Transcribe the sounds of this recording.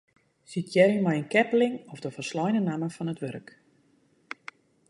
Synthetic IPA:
sitʰjɛriŋmajənkɛpəlɪŋɔfdəfərslɔjnənaməfɔnətʋørək

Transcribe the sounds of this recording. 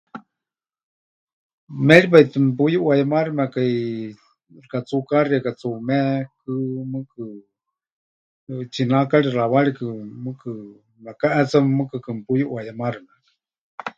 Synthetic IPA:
mɛɺip̬ait̪ɨmpujuʔwajamaɾimɛkaj | rkat͡sukaɾiakat͡sumɛkɨmɨkɨ | t͡ʃinakaɺiraβaɺikɨmɨkɨ | makaʔɛt͡sammɨkɨkɨmpujuʔwajamaɾimɛkḁ

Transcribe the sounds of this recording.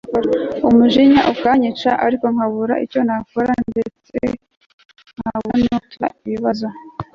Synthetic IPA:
ɾumuʒiɲaʔukaɲit͡ʃaʔaɾiko̞ŋhaβuɾa̰ʔḭco̞nakoɾande̞t͡sḛ | ŋ̥haβunotua̰iβiβazo

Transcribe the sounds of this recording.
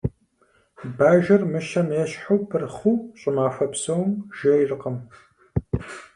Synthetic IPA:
baːʒɐrmɨʃɐnjɛɕħuwpʰɨrχuːɕʼɪmaːfɐpsɐwmʒɐjrɨqəm

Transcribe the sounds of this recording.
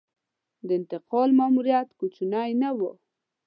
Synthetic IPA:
d̪əɪnt̪ɪqɑlmamuɾjat̪kut͡ʃunɑjnawə

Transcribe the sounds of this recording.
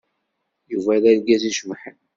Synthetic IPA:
juvælælɡæziʃmħən

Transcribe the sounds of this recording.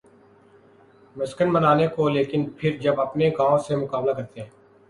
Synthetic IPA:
mɪskənbɐnaːnekoleːkɪnpʰɪɾd͡ʒɐbɐpneɡaːõsemʊkaːmlakɐɾt̪eɦɛ̃ː

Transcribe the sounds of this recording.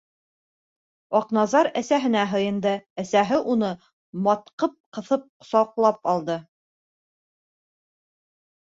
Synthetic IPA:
ɑqnɑzɑɾæsæɦɘ̆næɦɤ̆jɤ̆nd̪ɤæsæɦɘʔunɤ | mɒt̪̚qɤp̚qɤ̆θɤp̚sɑqlˠɑpɑlˠd̪ɤ

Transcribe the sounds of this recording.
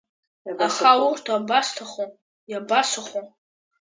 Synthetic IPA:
aχawurtʰabastʰaχom | jabasaχom

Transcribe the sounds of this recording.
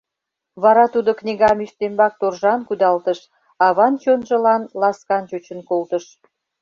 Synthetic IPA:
βɑɾɑt̪ud̪oknʲiɣɑmyʃt̪embɑk̚t̪orʒɑnkud̪ɑlt̪əʃ | ɑβɑnt͡ɕonʒə̆lɑnlɑskɑnt͡ɕut͡ɕənkolt̪ə̆ʃ

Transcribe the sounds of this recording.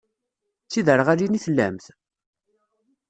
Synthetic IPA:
t͡sːiðəɾʁaɾiniθəlːæmθ

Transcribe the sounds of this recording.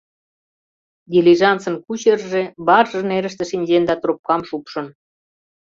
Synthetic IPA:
d̪ʲilʲiʒɑnt͡sə̆nkut͡ɕerʒeβɑrʒɤneɾə̆ʃt̪ĕʃinʲʑend̪ɑt̪rup̚kɑmʃupʃə̆n

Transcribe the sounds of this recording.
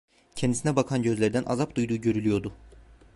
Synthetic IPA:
cʰɛnd̪isinɛbakʰanɟø̞zlʲeɾd̪ænʔa̰zapd̪ujd̪uːɟø̞ɾylʲyjo̞ɾd̪ʊ

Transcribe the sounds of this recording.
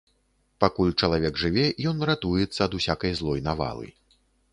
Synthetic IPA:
pakulʲt͡ʂɐlˠavʲɛɡʐɨvʲɛjɔnrat̪ujɛt̪sːɐd̪usʲakɐjzlˠɔjnava̰lˠɨ̰

